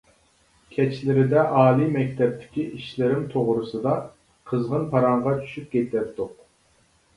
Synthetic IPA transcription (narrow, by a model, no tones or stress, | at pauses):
kʲʰɛt͡ʃʰlɪɾɪd̪ɛʔɑːlˠimɛkʲt̪ʰɛp̚t̪ʰɪ̥kʲiʔiʃlɪɾɪmt̪ʰoʁɾɨsɨd̪ɑ | qʰəzʁənpʰɑɾɑɴʁɑt͡ʃʰy̥ʃyp̚kʲet̪ɛp̚t̪uq